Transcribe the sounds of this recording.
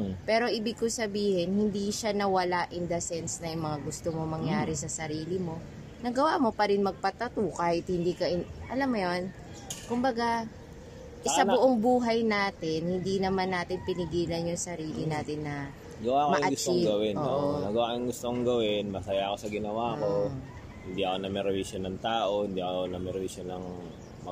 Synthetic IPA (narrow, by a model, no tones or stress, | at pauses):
pɛːɾo̞ʔɪbɪɡ̚kosɐbiːhɛnhɪnd̪iʃanɐwɐlaʔɪnd̪ɐsɛnsnɐjʊŋmɐŋaɡʊst̪omomɐŋjaːɾɛsɐsɐɾiːlɪmo̞ | nɐɡɐwamo̞pɐɾɪnmɐɡ̚pɐt̪ɐt̪ukaːhɪt̪̚hɪnd̪iːkɐʔɪnʔɐlamːɐjon | kʊmbɐɡa | ʔɪsalbʊʔoŋbuːɦɐjnaːt̪ɪnhɪnd̪inɐmanːaːt̪ɪnpɪnɪɡiːlɐnjʊŋsɐɾiːlɪnaːt̪ɪnːɐ | ɡɐwakomɐjʔɐɡʊst͡ʃiɡɐwɪnʔonɐɡɐwakojʊŋɡʊst̪oŋɡɐwɪnmɐsɐjako̞sɐɡɪnɐwaːko | hɪnd̪iʔɐkonɐmɛɾɛviʃonɐŋt̪aːʔo̞hɪnd̪iʔkonɐmɛɾɛviʃonɐŋ | mɐ